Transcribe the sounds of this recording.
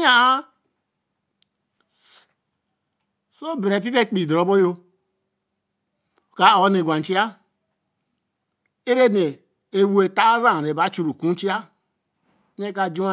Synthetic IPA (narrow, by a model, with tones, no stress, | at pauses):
a˦ | so˦be˨ɾe˨p̬i˦pe˦k͡pi˨dɾo˨bo˦jo˦˨ | ka˨o˨˦ne˨ɡʷa˨n̩˨t͡ʃi˦a˦ | e˦ɾe˦ne˨ | e˨wu˦e˨ta˦za˦˨ɾe˨ba˨˦t͡ʃu˨ɾu˨ku˦n˦t͡ʃi˦a˦ | e˦ka˨d͡ʒu˦a˦